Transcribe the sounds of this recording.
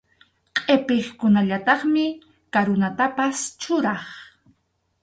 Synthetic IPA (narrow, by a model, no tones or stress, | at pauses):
qʼepeχkʊnaʎat̪ɑχmɪ | kaɾʊnat̪apast͡ʃʊɾɑχ